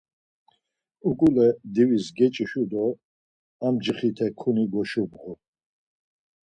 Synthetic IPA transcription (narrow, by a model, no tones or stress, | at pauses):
ukʼulɛd̪iwisɡɛt͡ʃʼiʃud̪ɔ | amd͡ʒiχit̪ʰɛkʰuniɡɔʃubʁu